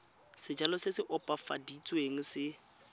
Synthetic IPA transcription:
sɪd͡ʒalɔsɪsɪʔɔpʼafa̰dit͡sʼweŋ̩sɪ

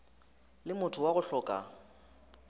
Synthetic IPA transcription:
lɪmʊtʰʊwaɣʊɬɔːkʼa̰

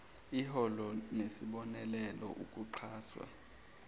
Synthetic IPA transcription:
iɦɔlɔnesiɓɔnɛlɛlɔ̰ʔukʼuǃʰaːswa̰

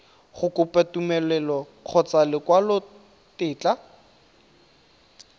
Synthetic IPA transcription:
χʊkʊpʼatumɛlɛlɔ | q͡χʰɔt͡salɪkwalʊ | tɪːt͡ɬa

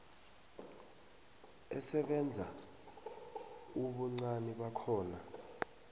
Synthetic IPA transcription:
ɛ̰sɛɓɛnd͡zʱa | uɓɔŋ͡ǀaniɓakʰɔːna

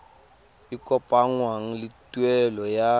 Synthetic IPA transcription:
ɪkʼɔpʼaŋ̩waŋ̩lɪtʼwɛlɔja

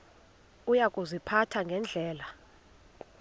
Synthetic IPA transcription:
ujakʼuzipʰatʰaŋɡʱɛnd͡ɮʱɛːla

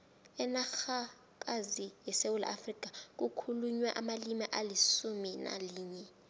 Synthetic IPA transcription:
ɛnaxa | k̬ʼazijɛsewula̰ʔafrik̬ʼak̬ʼukʰuluɲwɛʔamalimiʔalisumina̰liːɲɛ

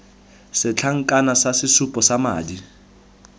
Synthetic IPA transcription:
sɪt͡ɬʰaŋ̩kʼanasasɪsupʼɔsama̰ːdi

